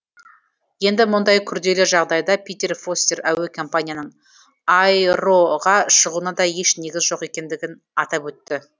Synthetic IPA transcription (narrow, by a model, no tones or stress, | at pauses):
je̞nd̪ɪmʊnd̪ɑjkʲʰʏɾd̪e̞leʒɑʁd̪ɑjd̪ɑpʲʰijt̪e̞rfo̞st̪e̞ɾæwekʰo̞mpanʲijanəɴ | ɑjɾo̞ʁɑʃəʁunɑd̪ɑje̞ʃne̞ɡʲɪzʒo̞qe̞kʲe̞nd̪ɪɡʲɪn | ɑt̪ɑpwɵt̪ːɪ